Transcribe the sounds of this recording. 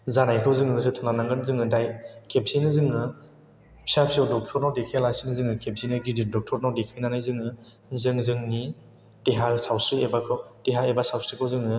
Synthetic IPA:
zanajkʰɯwzɯŋɯɡɯs̬ɯtʰɯnanaŋɡɯnzɯŋɯdajkʰep̚sinɯzɯŋɯ | pʰiap̚sidɔk̚tʰɔɾnawdekʰelajsinɯzɯŋɯkʰep̚zinɯɡididɔk̚tʰɔɾnawdekʰajnanajzɯŋɯ | zɯŋzɯŋni | tiɦasawsɾiebakʰɯwtiɦaebasawsɾikʰɯwzɯŋɯ

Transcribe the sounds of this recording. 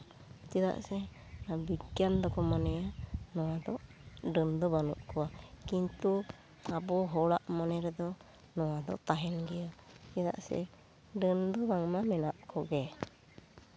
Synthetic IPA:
d͡ʒɛd̪a̰ʔsɛabijand̪ɔkɔmanɛjanɔwad̪ɔʔɖənd̪ɔbanṵʔkɔwakint̪u | abɔɦɔɽaʔmɔnɛɾd̪ɔ | nɔwad̪ɔ̰ʔt̪aɦɛnɡɛjad͡ʒɛd̪a̰ʔsɛ̰ | ɖənd̪ɔbaŋmamɛnaʔkɔɡɛ

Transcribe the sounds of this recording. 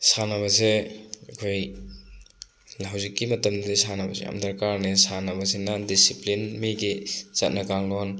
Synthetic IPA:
sanɐbɐseɐkʰoj | lwzikːimɐtɐmdɐdisanɐbɐsḛja̰mdɐɾkaɾnesanɐbɐs̬enadisiplinmiɡit͡ʃɐt̚nɐkaŋlon

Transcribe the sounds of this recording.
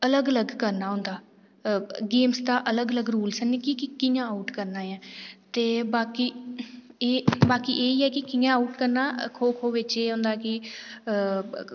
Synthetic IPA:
ələɡələɡkəɾnaːɦʊ̃nd̪aː | ɡeːmsd̪aːʔələɡələɡɾuːlsənɪkikɪkɪjãːaːʈkəɾnaːãːt̪eːbaːkiː | eːbaːkiːʔeːiːɛːkɪkɪjãːauʈkəɾnaːkʰoːkʰoːʋɪt͡ʃeːɦõʊ̃ːnd̪aːkɪ

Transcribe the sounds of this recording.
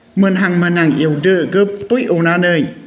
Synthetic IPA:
mənɦaŋmənaŋʔiəwdəɡəpujʔonaːnəj

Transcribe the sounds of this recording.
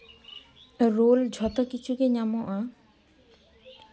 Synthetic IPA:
ɾold͡ʑʱɔt̪okit͡ɕʰukeɲamoʔa

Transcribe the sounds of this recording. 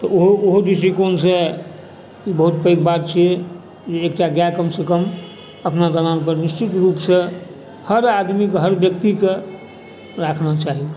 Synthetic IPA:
t̪ɔʔoɦooɦod͡ʒisikonse | ibəɦut̪pəjkbat̪̚t͡ʃʰije | d͡ʒeːkʈaɡjakəmsekəm | əpnad̪əɾanpəɾnist͡ʃit̪ɾupsẽ | həɾad̪mikɦəɾbjəkt̪ike | ɾakʰnat͡ʃaɦi

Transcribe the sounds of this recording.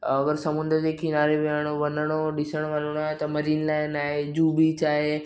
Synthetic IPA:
ɐɡəɾsɐmʊ̃nd̪əɾd͡ʑekʰinaːɾeʋeəɽ̃oʋɐnəɽ̃oɗɪsəɽ̃oʋɐloɽ̃aːɦet̪ɐmɐɾiːnlaːɪnaːɦed͡ʑuːbit͡ɕaːɦe

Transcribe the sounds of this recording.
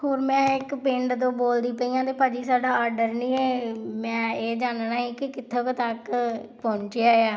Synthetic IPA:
hoːɾmɛ̃ːɪkpɪ̃ɳɖt̪õːboːld̪iːpəiːãːt̪eːpaːd͡ʒiːsaːɖaːaːɾɖəɾnĩːeːmɛ̃ːeːd͡ʒaːnnaːɦiːkɪkɪt̪ʰːeːkːt̪əkpɔ̃ːɲt͡ʃeaːeaː

